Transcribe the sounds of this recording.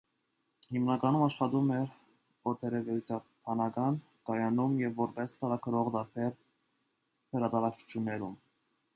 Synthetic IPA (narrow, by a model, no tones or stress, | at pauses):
himnɑkɑnumɑʃχɑt̪umɛɾ | ɔt̪ʰɛɾɛvɛut͡s̪ʰɑp̪ʰɑnɑkɑn | kɑjɑnumjɛvːɔɾpɛst̪ɑɾɑkʰəɾɔʁd̪ɑɾpʰɛɾ | həɾɑt̪ɑɾɑkt͡ʃʰu̥t͡ʃʰjunːɛɾum